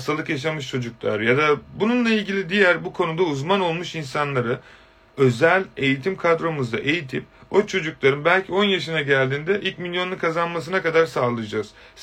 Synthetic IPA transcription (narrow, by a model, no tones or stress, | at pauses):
st̪ʰalˠɯkjaʃ̬amɯʃt͡ʃʰo̞d͡ʒuklˠa̰ɾjad̪abununlˠailʲɟilʲid̪ijæɾbukʰo̞nud̪auzmano̞lˠmuʃinsanlˠaɾɯ | ø̞zælʲe̞jit̪ʰimkʰad̪ɾo̞muzd̪a̰ʔe̞jit̪ʰip̚o̞t͡ʃʰo̞d͡ʒuklˠaɾɯnbælʲcʰio̞njaʃɯnaɟælʲd̪iːnd̪ɛʔilʲcmilʲjo̞nukʰazanmas̬ɯnakad̪aɾsaːlˠɯjd͡ʒaz̥